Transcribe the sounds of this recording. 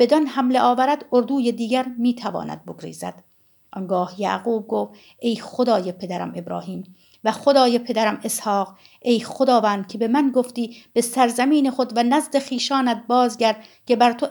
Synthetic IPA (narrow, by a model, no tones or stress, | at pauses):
b̥e̞d̪ɒnhæmleʔɒːvæɾæd̪oɾd̪uːjed̪iːɟæɾmiːt̪ʰævɒ̰ːnæ̰d̪̚boɡɾḭːzæ̰d̪̥ | ʔɒnɡɒːhjæ̰ːɣuːb̚ɡoːf | ʔe̞jχod̪ɒːjepʰe̞d̪æɾæ̰me̞bɾɒ̰ːhiːm | væχod̪ɒːjepʰe̞d̪æɾæmeshɒːq | e̞jχod̪ɒːvæːnd̪̚cʲʰe̞be̞mænɡoft̪iːb̥esæɾzæmiːne̞χod̪vænæzd̪eχiːʃɒːnæd̪̚bɒːzɟæɾd̪ | cʰe̞bæɾt̪ʰo